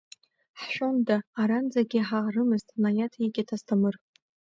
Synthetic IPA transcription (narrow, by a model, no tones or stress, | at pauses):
ħʃᶣondaːɾand͡zaɡʲɪħarɨmɨztʼnajatʰjiɡʲʼatʰastʰamɨr